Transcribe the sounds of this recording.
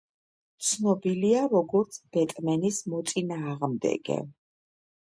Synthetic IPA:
t̪sʰnɔbiliaɾɔɡɔɾt̪sʰb̥ɛt̪ʼmɛnismɔt̪sʼinaːʁmd̪ɛ̰ɡ̥ɛ̰

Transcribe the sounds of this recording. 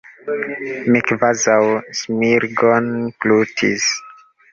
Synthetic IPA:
mikvazawsmiɾɡonklutʰis

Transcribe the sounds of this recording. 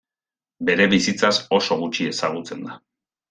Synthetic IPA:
be̞ɾe̞βisit͡saso̞so̞ɣ̞ut͡ʃie̞saɣ̞ut͡se̞nd̪a

